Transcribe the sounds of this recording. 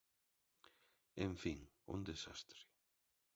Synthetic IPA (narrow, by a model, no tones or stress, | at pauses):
enfiŋ | ṵ̃nd̪esa̰st̪ɾi̥